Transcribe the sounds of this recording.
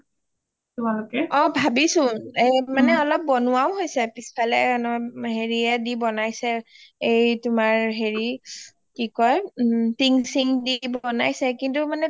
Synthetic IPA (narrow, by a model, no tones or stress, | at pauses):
tʊmalʊkɛɔbʱabisʊ̃ɛmanɛɔlɔp̚bɔnʊawɦojsɛpispʰalɛɔnɔɦeɹiɛdibɔnajsɛejtʊmaɹɦeɹi | kikɔjtiŋsiŋdibɔna̰jsɛkintʊmanɛ